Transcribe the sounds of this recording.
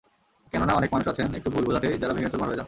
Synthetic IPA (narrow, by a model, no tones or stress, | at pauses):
kɛnonaɔnekmanuʃat͡ɕʰenekʈubʱulbʱud̪ʱaʈʰed͡ʑaɾabiɡet͡ɕoɾmaɦoed͡ʑa